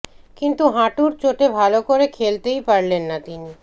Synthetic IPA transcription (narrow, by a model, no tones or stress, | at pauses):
kint̪uɦaʈuɾt͡ɕoʈebʱalokoɾekʰelt̪eipaɽlenːat̪ini